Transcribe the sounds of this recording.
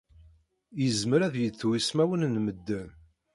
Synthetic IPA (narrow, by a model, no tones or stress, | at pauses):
jəzməɾæðjət͡sːwismæwənnməd̪ːən